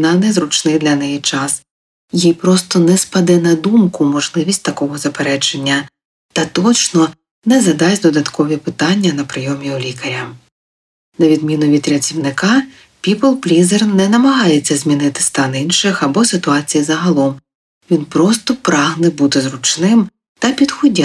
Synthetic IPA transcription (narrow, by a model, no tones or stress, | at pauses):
nɐnɛzɾʊt͡ʃnɪjd̪lʲɐnɛjit͡ʃɑs | jijpɾɔst̪ɔnɛspɐd̪ɛnɐd̪umkʊmɔʒlˠɪʋʲisʲtʲt̪ɐkɔɦɔzɐpeɾɛt͡ʃenʲːɐ | t̪ɐt̪ɔt͡ʃnɔ | nɛzɐd̪ɑsʲd̪ɔd̪ɐt̪kɔʋʲipɪt̪ɑnʲːɐnɐpɾɪjɔmʲiulʲikɐɾʲɐ | nɐʋʲid̪mʲinʊʋʲit̪ɾʲɐt͡sʲiwnɪkɑ | pʲiplˠplʲizernɛnɐmɐɦɑjet͡sʲːɐzʲmʲinɪt̪ɪ̥st̪ɑninʃɪxɐbɔsɪt̪ʊɑt͡sʲijizɐɦɐlˠɔm | ʋʲinpɾɔst̪ɔpɾɑɦnɛbut̪ɪzrʊt͡ʃnɪm | t̪ɐpʲid̪xɔdʲa